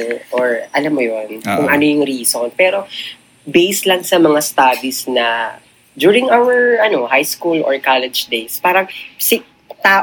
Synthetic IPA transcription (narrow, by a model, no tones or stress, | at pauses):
ʔoɹʔɐlamːojonkʊŋʔɐnojʊŋɾiːsonpɛːɾo | bejslɐŋsɐmɐŋast̪ad̪isnɐ | d̪uːɹɪŋʔawɛɹʔɐno̞hajskulʔɔ̰ɹkalɛd͡ʒd̪ejspaːɾɐŋsɪ | t̪aː